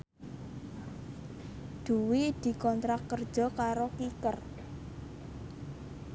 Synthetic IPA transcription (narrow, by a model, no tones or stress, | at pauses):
d̪̥ṳwid̪̥i̤kɔnt̪ɾakːərd̥ʒ̥ɔ̤kaɾokikər